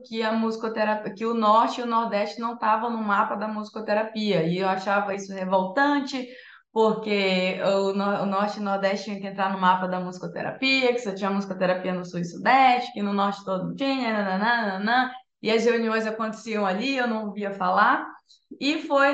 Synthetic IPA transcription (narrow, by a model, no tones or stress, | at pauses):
kɪɐmuzikot̪eɾapkɪʊnɔɾt͡ʃɪʊnoɾd̪ɛʃt͡ʃɪnɐ̃w̃t̪avɐ̃w̃nʊmapɐd̪ɐmuzikot̪eɾapiɐɪewaʃavɐisʊhevowt̪ɐ̃t͡ʃɪ | poɾkeʊnɔʊnɔɾt͡ʃɪnoɾd̪ɛʃt͡ʃɪt͡ʃĩɐkɪẽnt̪ɾaɾnʊmapɐd̪ɐmuzikot̪ḛɾa̰piɐkɪ̥sɛt͡ʃĩɲɐmuzikot̪eɾapiɐnʊsuɪsud̪ɛʃt͡ʃɪ̥kɪnʊnɔɾt͡ʃɪ̥t̪od̪ʊñt͡ʃĩɲɐnɐ̃nɐ̃nɐ̃nnɐ̃nɐ̃ | ɪɐsheuniõj̃zakõnt̪e̥siɐ̃w̃aliewnɐ̃w̃viɐfalaɾ | ɪfoj